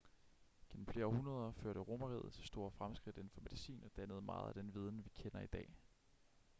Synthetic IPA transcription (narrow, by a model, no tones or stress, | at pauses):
ɡ̥enm̩fle̝ːɐɒhunɐð̞ˠɐføɐ̰ɾ̥əʁo̝mɐʁið̰̩ˠsʰsd̥o̝ːɐfʁamsɡ̥ʁid̥e̝nfɒ̽me̝ðˠisḭːnɒ̽d̥ænəð̞̩ˠəmɑ̈ːð̞̩ˠæd̥enʋiːð̞ˠn̩ʋikʰenɐid̥ɛ̰ː